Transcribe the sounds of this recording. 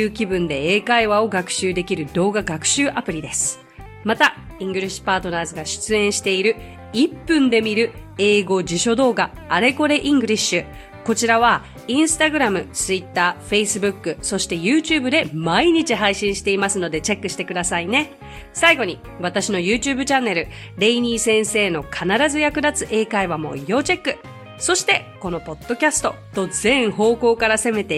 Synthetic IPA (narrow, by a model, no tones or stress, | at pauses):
ɯ̟ːkʲibɯ̟̃nd̪e̞eːkaiβao̞ɡakɯ̟̥ɕɨːd̪e̞kʲiɾɯ̟d̪o̞ːɡaɡakɯ̟̥ɕɨːʔapɯ̟ɾʲid̪e̞sɨ̥ | mat̪a | ĩŋɡɯ̟ɾʲiɕi̥paːt̪o̞naːzɨɡaɕɨ̥t͡sɨẽ̞ɰ̃ɕi̥t̪e̞iɾɯ̟ | ipːɯ̟̃nd̪e̞mʲiɾɯ̟ | e̞ːɡo̞d͡ʑiɕo̞d̪o̞ːɡaːɾe̞ko̞ɾe̞ʔĩŋɡɯ̟ɾʲiɕɨ | ko̞t͡ɕiɾaβ̞a | ĩɰ̃sɨ̥t̪aɡɯ̟ɾamɯ̟t͡sɨit̪ːaːɸe̞isɨbɯ̟kːɯ̟so̞ɕi̥t̪e̞jɯ̟ːt͡ɕɨːbɯ̟d̪e̞maiɲ̟it͡ɕiɦaiɕĩɰ̃ɕi̥t̪e̞imasɨno̞d̪e̞t͡ɕe̞kːɯ̥ɕi̥t̪e̞kɯ̟d̪asaine̞ | saiɡo̞ɲ̟i | βat̪aɕino̞jɯːt͡ɕɨːbɯ̟t͡ɕanːe̞ɾɯ̟ | ɾe̞iɲ̟iːsẽ̞ɰ̃se̞ːno̞kʰanaɾazɨjakɯ̟d̪at͡sɨʔe̞ːkaiβamo̞̰jo̞ːt͡ɕe̞kːɯ̟ | so̞ɕi̥t̪e̞ | ko̞no̞po̞t̪ːo̞kʲasɨ̥t̪o̞t̪o̞d͡zẽ̞ɰ̃ho̞ːko̞ːkaɾase̞me̞t̪e